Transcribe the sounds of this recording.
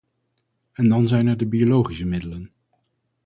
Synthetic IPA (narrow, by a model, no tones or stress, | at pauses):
ɛndɑnzɛjnɛɹdəbiolowχisəmɪdələn